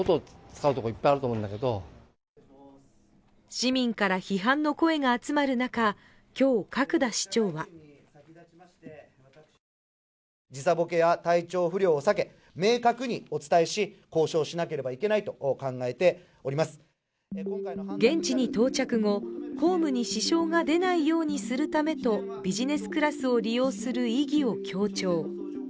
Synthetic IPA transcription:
ot̪ot͡sɨ̥kaɯ̟t̪o̞koipːajaɾɯt̪omoɯ̃nd̪ake̞d̪o̰ | ɕimʲĩŋkaɾaçiɦãnːo̞ko̞e̞ɡaːt͡sɨmaɾɯ̟naka | kʲo̞ːkakɯ̟d̪aɕi̥t͡ɕo̞ːβa | d͡ʑisabo̞ke̞jat̪ait͡ɕo̞ːɸɯ̟ɾʲjo̞ːsake̞ | me̞ːkakɯ̟ɲ̟io̞t͡sɨ̥t̪aeɕiko̞ːɕo̞ːɕinake̞ɾe̞baike̞nait̪o̞kãŋɡae̞t̪e̞ | oɾʲimasɨ̥ | oŋɡẽ̞ɲ̟t͡ɕiɲ̟it̪o̞ːt͡ɕakɯ̟ŋo̞kʰo̞ːmɯ̟ɲ̟iɕiɕo̞ːŋad̪e̞naijo̞ːɲ̟isɨɾɯ̟t̪ame̞t̪o̞ | bʲiʑine̞sɨ̥kɯ̟ɾasɨo̞ɾʲijo̞ːsɨɾɯ̟iɡʲio̞kʲʰo̞ːt͡ɕo̞ː

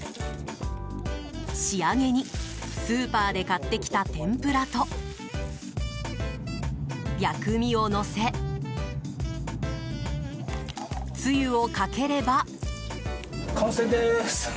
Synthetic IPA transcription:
ɕiaŋe̞ɲ̟isɨːpaːd̪e̞kat̪ːe̞kʲi̥t̪at̪ẽ̞mpɯɾat̪o̞ | jakɯ̟mʲio̞no̞se̞ | t͡sɨjɯo̞kake̞ɾe̞ba | kʰõsed̪es

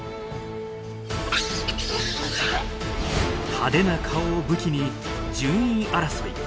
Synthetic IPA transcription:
had̪e̞nakʰaobɯ̟kʲiɲ̟id͡ʑɨ̃ĩʔaɾasoḭ

